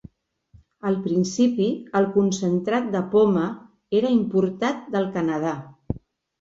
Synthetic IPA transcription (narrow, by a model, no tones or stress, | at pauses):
əlˠpɾinsipiəlˠkunsənt̪ɾat̪̚d̪əpomə | eɾəimpuɾt̪at̪̚d̪əlˠkənəð̞a